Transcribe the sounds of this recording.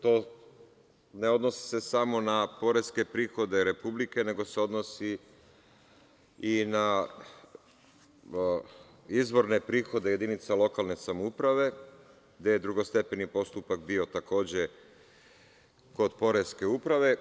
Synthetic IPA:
t̪o̞ | neo̞d̪no̞si̥se̞samo̞napo̞ɾe̞ske̞pɾiːxo̞d̪e̞ɾe̞publike̞ne̞ɡo̞se̞o̞d̪nosi | ina | izbo̞ɾne̞pɾiːxo̞d̪e̞jed̪init̪salˠo̞kalˠne̞samoupɾaʋe̞ | ɡd̪e̞jed̪ɾuɡo̞st̪e̞penipo̞st̪upakbio̞t̪ako̞ːd͡ʑe̞ | ko̞d̪po̞ɾe̞ske̞upɾaʋe̞

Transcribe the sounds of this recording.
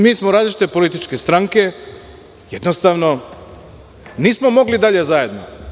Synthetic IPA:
miːsmoɾaːzlit͡ʃit̪epo̞lit̪it͡ʃke̞st̪ɾaŋke̞ | jed̪nost̪aːʋno̞ | niːsmo̞mo̞ɡlid̪aʎe̞zaje̞d̪no

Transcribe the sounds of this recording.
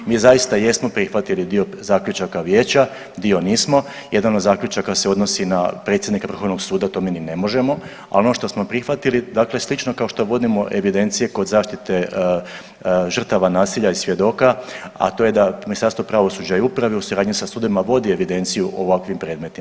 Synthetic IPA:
miːzajist̪aje̞smo̞pɾixʋat̪ilid̪io̞ | zaːkʎʲut͡ʃakaʋje̞ːt͡ɕa | d̪io̞niːsmo̞ | je̞d̪anod̪zaːkʎut͡ʃakaseo̞d̪no̞sinapɾe̞t̪sʲjed̪nikar̩xo̞ʋnoɡsuːd̪at̪o̞ːmiːnine̞mo̞ʒe̞mo̞ | a̰lo̞noʃt̪o̞smo̞pɾixʋat̪ilid̪akle̞slit͡ʃno̞kao̞ʃt̪o̞ʋo̞d̪imo̞ʔe̞ʋid̪e̞nt̪sije̞ko̞d̪zaːʃt̪it̪e̞ | ʒr̩t̪aʋanaːsiʎaisʋje̞d̪o̞kaa̰t̪o̞je̞d̪aminist̪aɾst̪ʋo̞pɾaʋo̞suːd͡ʑaiupɾaʋeusuɾaːd̪ɲisasuːd̪oʋimaʋo̞d̪ie̞ʋid̪e̞nt̪sijuʔoʋakʋimpɾeːd̪me̞t̪im

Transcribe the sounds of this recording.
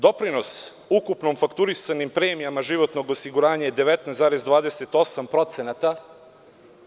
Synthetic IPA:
d̪o̞pɾinos | ukupnomfakt̪uɾisanimpɾeːmijamaʒiʋo̞t̪no̞ɡosiɡuɾaːɲajed̪e̞ʋet̪nɛzaːɾezd̪ʋaːd̪eset̪o̞sampɾo̞t̪senat̪a

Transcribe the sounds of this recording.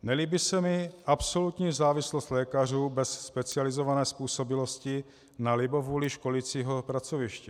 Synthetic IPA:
nɛliːbɪsɛmɪʔapso̞lut̪ɲiːzaːvɪslost̪lɛːkar̝uːbɛsːpɛt͡sɪalɪzovanɛːspuːso̞bɪlo̞scɪ | nalɪbovuːliʃko̞liːt͡siːɦopɾat͡sovɪʃcɛ

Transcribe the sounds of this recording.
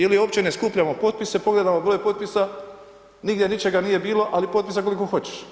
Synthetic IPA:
jelioːpt͡ɕe̞neskuːpʎamo̞po̞t̪̚pise̞po̞ɡled̪amo̞bɾojpo̞t̪̚pisa | niɡd̪je̞nit͡ʃe̞ɡanijebiːlo̞ʔalipo̞t̪pisakolikoxo̞t͡ɕe̥ʃ

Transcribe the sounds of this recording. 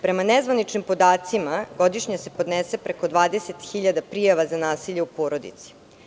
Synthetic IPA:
pɾe̞manezʋanit͡ʃnimpo̞d̪aːt̪simaɡod̪iʃɲase̞pod̪nesepɾeko̞d̪ʋaːd̪eset̪xiʎad̪apɾijaʋazanaːsiʎeupoːɾo̞d̪ḭt̪si̥

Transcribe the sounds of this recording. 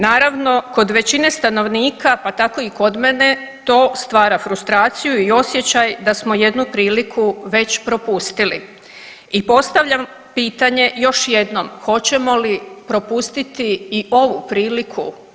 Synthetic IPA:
naːɾaʋno̞ko̞d̪ʋe̞t͡ɕine̞st̪ano̞ʋniːkapat̪ako̞iko̞d̪mene̞t̪o̞ːst̪ʋaːɾafɾust̪ɾaːt̪sijuio̞sje̞t͡ɕajd̪asmo̞je̞d̪nupɾiːlikʰuʋe̞t͡ɕpɾo̞pust̪ilḭ | ipo̞st̪aʋʎʲam | piːt̪aɲe̞jo̞ʃje̞d̪no̞mxo̞t͡ɕe̞mo̞lipɾo̞pust̪it̪iːʔo̞ʋupɾiːlikʰu

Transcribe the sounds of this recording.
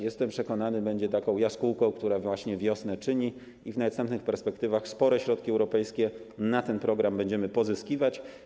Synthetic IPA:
jɛst̪ɛmpʂɛkɔnanɘbɛɲd͡ʑɛt̪akɔ̃w̃jaskuwkɔ̃w̃kt̪uɾavwaɕɲɛvʲjɔsnɛt͡ʂɘɲi | ivnast̪ɛmp̪nɘxpɛɾspɛkt̪ɘvaxspɔɾɛɕɾɔt̪̚kʲiɛwɾɔpɛjskʲɛ | nat̪ɛnpɾɔɡɾambɛɲd͡ʑɛmɘpɔzɘskʲivat͡ɕ

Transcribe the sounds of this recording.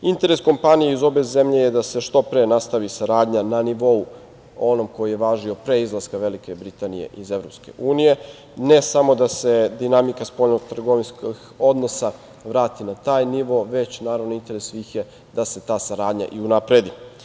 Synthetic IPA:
int̪e̞ɾe̞sko̞mpanijeizo̞be̞ze̞mʎe̞jed̪ase̞ʃt̪opɾenast̪aʋisaɾaːd̪ɲananiʋo̞u | o̞no̞mko̞jijeʋaːʒio̞pɾeizlˠaskaʋe̞likebɾit̪anije̞̰ʔize̞ʋɾo̞pske̞̰ʔuːnije̞ | ne̞samo̞d̪ased̪inamikaspo̞lnoɡt̪r̩ɡoʋinskox | o̞d̪no̞sa | ʋɾaːt̪inat̪aːjniʋo̞ʋe̞t͡ɕnaːɾaʋnoint̪e̞ɾe̞ssʋiːxje̞ | d̪ase̞t̪aːsaɾaːd̪ɲa̰ʔiunapɾe̞d̪i

